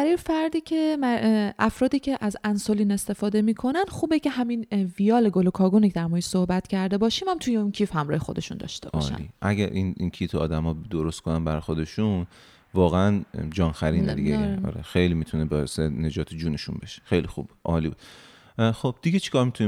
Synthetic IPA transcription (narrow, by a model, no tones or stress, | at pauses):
æɾɒjefæɾd̪iːcʰe̞mæʔæfɾɒːd̪iːcʰeʔæzænsoliːne̞st̪e̞fɒːd̪e̞miːkʰo̞nænxuːbecʰe̞hæminvijɒːleɡo̞lokʰɒːɡuːnikʰe̥æɾmɒeʃsohbæt̪cʰæɾd̪e̞bɒːʃiːmhæmt̪ʰujeuncʰiːfhæmɾɒːhe̞xo̞d̪e̞ʃṵnd̪ɒ̰ʃt̪e̞bɒ̰ʃːæl̰ḭʔæɟæɾʔḭnincʰiːt̪ʰeɒ̰ːd̪æmɒːd̪oɾost̪kʰonænbæɾxo̞d̪e̞ʃun | vɒːɣeænd͡ʒɒːnxæɾiːned̪ḭɡeɒ̰ːɾḛxejlimit̪ʰunebɒːesene̞d͡ʒɒːt̪ʰed͡ʒuːneʃṵnbeʃe̥xejlixṵːb̥u̥ʔɒːliːbṵd̪ | xob̥d̪̥iɡet͡ʃʰi̥kʰɒːɾmit̪ʰuni